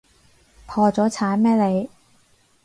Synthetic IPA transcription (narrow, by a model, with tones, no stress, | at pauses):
pʰɔː˧t͡sɔː˨˥t͡sʰaː˨˥nmɛː˥le˨˧j